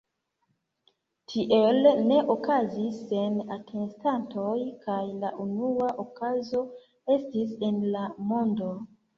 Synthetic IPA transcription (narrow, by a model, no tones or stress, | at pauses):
tʰiʔelne̞ʔokazise̞natʰenstantʰo̞jkajlaʔunuaʔokazo̞ | e̞stis̬e̞nlamo̞ndo̞